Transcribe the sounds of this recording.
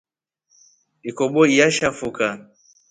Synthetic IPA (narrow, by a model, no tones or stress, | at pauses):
ikɔɓɔijaʃafuka